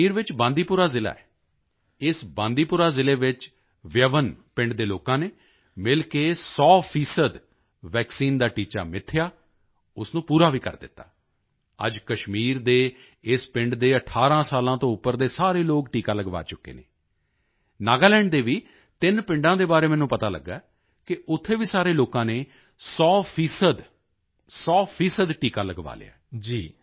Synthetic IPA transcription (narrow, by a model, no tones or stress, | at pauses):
iːɾʋɪt͡ʃbãːnd̪iːpʊɾaːzɪla̰ːɛː | ɪsbãːnd̪iːpʊːɾaːzɪleːʋɪt͡ʃ | ʋjəʋənpɪ̃ɳɖd̪eːloːkãːneː | mɪlkeːsɔːpʰiːsəd̪ | ʋɛːksiːnd̪aːʈiːt͡ʃa̰ːmɪt̪ʰːɪjaː | ʊsnũːpuːɾaːʋiːkə̰ɾd̪ɪ̰t̪ːa̰ː | ə̰d͡ʒkəʃmiːɾd̪eː | ɪspɪ̃ɳɖd̪eːəʈʰaːɾãːsaːlãːt̪õːʊpːəɾd̪eːsaːɾeːloːkʈiːkaːləɡʋa̰ːt͡ʃʊkːḛːnḛː | naːɡaːlɛːɳɖd̪eːʋiː | t̪ɪnpɪ̃ɳɖãːd̪eːbaːɾeːmɛ̃ːnũːpət̪aːlə̰ɡːaː | kɪʊt̪ʰːeːʋiːsaːɾeːloːkãːneː | sɔːpʰiːsəd̪ | sɔːpʰiːsəd̪ʈiːkaːləɡʋa̰ːlḛa̰ːd͡ʒiː